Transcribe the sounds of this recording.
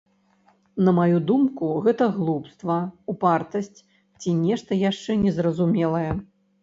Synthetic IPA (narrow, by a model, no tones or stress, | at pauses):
nɐmajud̪umkuɣɛt̪ɐɣlˠupst̪vɐupart̪ɐsʲt͡sʲ | t͡sʲinʲɛʂt̪ɐjaʂt͡ʂɛnʲɛzrɐzumʲɛlˠɐjɛ